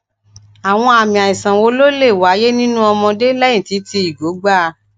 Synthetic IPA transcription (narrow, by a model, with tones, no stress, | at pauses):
a˨w̃ɔ̃˧a˨mĩ˨a˨ĩ˨sã˨wo˧˦lo˦le˦˨wa˨˦je˦nĩ˦nũ˦ɔ˧mɔ̃˧de˦lɛ˦jĩ˦˨ti˨˦ti˧i˨ɡo˨˦ɡ͡ba˦˧